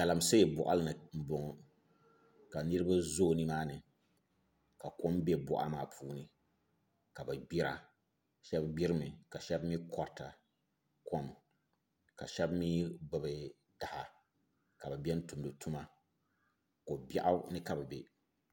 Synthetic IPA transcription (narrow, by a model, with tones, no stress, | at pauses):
ka˨la˨mse˦˨bʊ˨ʔa̰˦lɨ˦nɨ˨m̩˨bɔ˨ŋ˨ | ka˨nɨ˦ɾɨ˦ba˦zoː˦˨nɨ˦maː˦nɨ˨ | ka˨ko˦mbe˦bʊ̰˦ʔa̰˦maː˨pʰuː˦nɨ˦ | ka˨ba˨bi˦ɾa̰˨ | ʃɛ˦bbi˦ɾɨ˦mɨ˨ka˨ʃɛ˦bmi˦kʰɔ˨ɾta˨ | ko˦m | ka˨ʃɛ˦bmi˦bɨ˨bɨ˨ | da˨ha˨ | ka˨ba˨bɛ˦n̩˦tu˨mdɨ˨tʰu˦ma˦ | ko˨bɛ˦ʔa˦nɨ˦ka˨bɨ˨bɛ˨